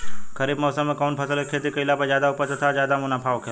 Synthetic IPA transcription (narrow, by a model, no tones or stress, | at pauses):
kɐɾiːbmɔːsəmːẽkɔːnpʰɐsəlkekʰeːt̪̬ikɐɪlapɐzjaːd̪aʊpəɾsət̪ʰazjaːd̪amʊnapʰaːʋkʰe